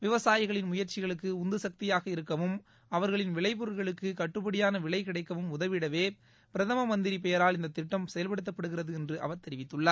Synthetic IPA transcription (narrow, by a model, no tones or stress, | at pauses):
ʋɪʋɐsaːjɪɣɐɭɪnmʊjɐɾt͡ʃɪɣɐɭɯkːɯʊnd̪ɯsɐk̚t̪ɪjaːɣɐɪɾɯkːɐʋɯm | ɐʋɐɾɣɐɭɪnʋɪɭɐɪp̬ʊɾɯlɣɐɭɯkːɯkɐʈːɯpɐɽɪjaːnɐʋɪɭɐɪkɪɽɐɪkːɐʋɯmʊðɐʋɪɽɐʋeː | pɪɾɐðɐmɐmɐnd̪ɪɾipɛjɐɾaːlɪnd̪ɐt̪ːɪʈːɐmsɛjɐlpɐɽɯt̪ːɐpːɐɽɯɣɪrɐðɯɛndrɯʔɐ̰ʋɐɾt̪ɛɾɪʋɪt̪ːɯɭːɐ